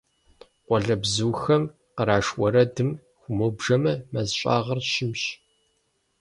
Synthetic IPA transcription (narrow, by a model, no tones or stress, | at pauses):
qʷɔɮɐbzɨːxɐm | qəɾaːʂwɔɾɐdɨm | xʷʊmoːbʒɐmɐmɐzɕʷʼa̰ːʁɐrʃɪmɕ